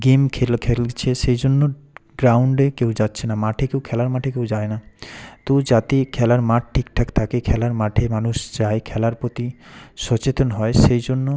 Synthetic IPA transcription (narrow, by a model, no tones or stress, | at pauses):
ɡimkʰelkʰelt͡ɕʰeʃejd͡ʑonːoɡɾawɳɖekewd͡ʑatːɕʰenamaʈʰekewkʰɛlaɾmaʈʰekewd͡ʑaenat̪od͡ʑat̪ekʰɛlaɾmaʈ̚ʈʰik̚t̪ʰake̥t̪ʰakekʰɛlaɾmaʈʰemanuʃd͡ʑaekʰɛlaɾpot̪iʃɔt͡ɕet̪onɦɔeʃejd͡ʑonːo